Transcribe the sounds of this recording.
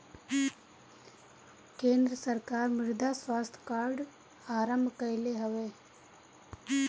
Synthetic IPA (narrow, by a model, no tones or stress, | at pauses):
kẽːnd̪ɾəsɐɾkaːɾmɪɾd̪ʱaswaːst̪ʰə̥kaːɾɖ | aːɾəmbʱkəɪleɦɐʋeː